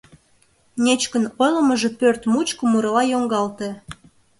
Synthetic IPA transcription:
nʲet͡ɕkənojləməʒepørt̪mut͡ɕkəmuɾɑlɑjoŋɡɑlt̪e

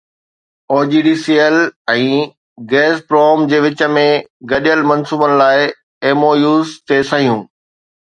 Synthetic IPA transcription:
oːd͡ʑiːɖiːsiəlɛ̃ː | ɡɛːspɾoːmd͡ʑeːʋɪt͡ɕə̆mẽɡɐɗijəlmɐ̃nsuːbənɪ̆laːɪ | eːmoːjuːzt̪eːsaɦijũː

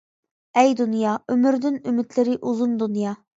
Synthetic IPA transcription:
ɛjd̪unjɑymyɾd̪ynymɪt̪lɪɾɪʔuzund̪unjɑ

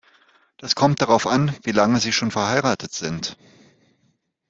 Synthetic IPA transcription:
d̥askʰɔmt̚d̥aʁaʊfanviːlaŋəziːʃoːnfɛɐhaɪʁaːtətz̥ɪnt

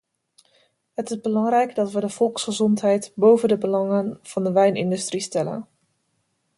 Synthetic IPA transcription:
ɦətɪzbəlɑŋrɛjɡdɑtʋədəv̥ɔlˠksχəzɔntɦɛjtbowvədəbəlɑŋənv̥ɑndəʋɛjnɪ̰ndʉstristɛlə̰n

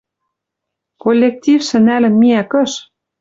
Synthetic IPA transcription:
kolʲːek̚tʲifʃɘ̆nælɘ̆mːiækɤ̆ʃ

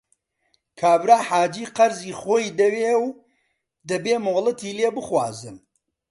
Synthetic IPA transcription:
kʰaːbɾaːħaːd͡ʒiːqɐɾziːχoːjd̪ɐweːw | d̪ɐbeːmoːlˠɨt̪iːleːbɨxwa̰ːzɨm

